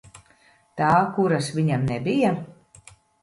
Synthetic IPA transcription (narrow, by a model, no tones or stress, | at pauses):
t̪aːkuɾasʋiɲamnɛbija